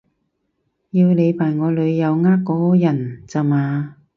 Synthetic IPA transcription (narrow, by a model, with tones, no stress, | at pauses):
jiː˧wne˨˧jpʰaː˨˩jŋɔː˨˧lɵ˨˧ɥjɐ˨˧wŋaː˥kkːɔː˨˧˥jɐ˨˩nt͡sa˨˧maː˨˧